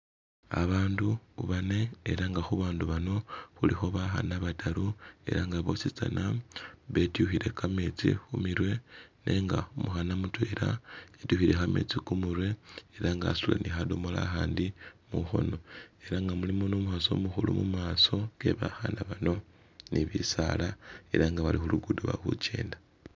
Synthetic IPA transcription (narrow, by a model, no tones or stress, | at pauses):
a̰βaːnduuβane̞ːɾaŋɡaxuβaːnduβano̞xulixo̞βaxa̰naβatʰaɾue̞̰ɾaŋɡaβo̞sit͡sa̰naβe̞tjuxiɾe̞kame̞t͡sḭxumiɾwe̞nʔe̞ŋɡa̰omuxanamutwe̞ːɾaetuhiɾe̞xame̞̰t͡sikumuɾwe̞eɾaŋɡasula̰nixadomola̰xaːndimuxo̞̰no̞e̞ɾaŋɡamulimonoːmuxaso̞̰muxulumumaːso̞ɡe̞βaxanaβano̞ | niβisalae̞ɾaŋɡaβalixuluɡuduβa̰xut͡ʃḛːnda